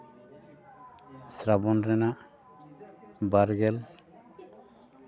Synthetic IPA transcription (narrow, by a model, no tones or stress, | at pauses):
sɾabɔnɾɛna | baɾɡɛl